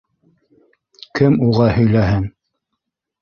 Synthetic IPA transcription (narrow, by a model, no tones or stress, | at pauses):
kɘmuʁɑhɵ̆jlæɦɘŋ